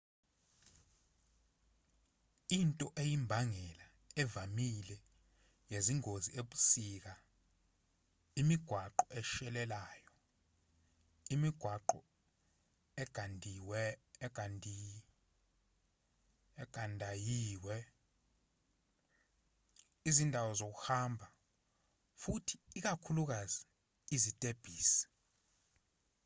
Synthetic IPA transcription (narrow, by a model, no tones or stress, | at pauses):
intʼɔʔejimbʱaŋɛla | ɛvamilɛ | jeziŋʱozieɓu̥sik̬a | imiɡ̥ʱwaǃɔʔɛʃɛlɛlaːjɔ | imiɡ̥ʱwaǃɔ | ɛɡ̥ʱandʱiwɡ̥ʱandʱi | ɛɡ̥ʱandʱajiːwɛ | izindʱawɔzok̬uhambʱa | futʰi̥ːk̬akʰuluk̬azi | izitʼeb̥ʱiːsɛ̥